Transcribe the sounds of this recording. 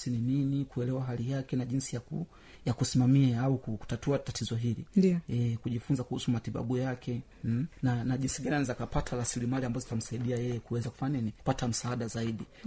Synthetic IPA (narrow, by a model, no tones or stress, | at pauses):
sinininikuɛlɛwaɦalijakɛnaʄinsijakṵ | jakusimamiaaukuku̥tatuatatizɔɦilḭdiɛkuʄifunzakuhusumatiɓa̰ɓujakʰɛ | nanaʄinsiɡaninizakapatʰaɾasilimaliambazɔzitam̩saiɗiajɛjɛkuwɛzaku̥faanɛniku̥patam̩saːɗazaiɗi